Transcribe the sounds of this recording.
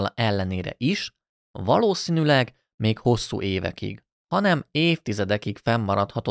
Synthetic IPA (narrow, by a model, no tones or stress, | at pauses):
lɛlːɛneːɾɛ̰ʔiʃ | vɒloːsiːnylɛɡ | meːkho̞sːṵːʔeːvɛ̰kḭɡ̥ | hɒnɛmeːft̪izɛd̪ɛkikfɛmːɒɾɒt̪hɒt̪o